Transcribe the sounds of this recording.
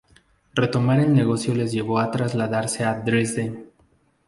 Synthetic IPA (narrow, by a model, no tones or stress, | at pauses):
re̞t̪o̞maɾe̞lne̞ɣo̞sjo̞le̞zʝe̞βo̞at̪ɾazlaðaɾse̞ad̪ɾezd̪en